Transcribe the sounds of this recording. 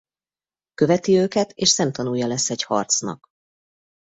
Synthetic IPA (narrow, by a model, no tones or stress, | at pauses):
kø̞vɛt̪iøːkɛt̪eːʃsɛmt̪ɒnujːɒlɛsːɛɟhɒ̰rt̪snɒ̰k